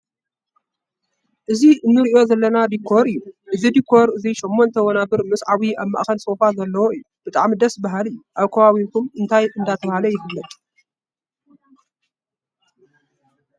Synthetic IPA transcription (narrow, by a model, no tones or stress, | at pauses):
ʔɨziɨnːɨɾɨʔjo̞zɐlːɐnad̪ikʰːo̞ɾɨjːuʔɨzid̪ikʰːo̞ɾɨziʃomːont̪ʰɐwonabɨɾmɨsʼʕaβiaβma̰ʔxɐnsofazɐlːɐwoɨjːub̥ɨt̪ʼa̰ʕmid̪ɐsbaɦalɨjːuʔaβkʰɐβaβikʰumɨnt̪ʰajʔɨnd̪at̪ʰɐβhalɐjɪhɨlːɐt̪ʼ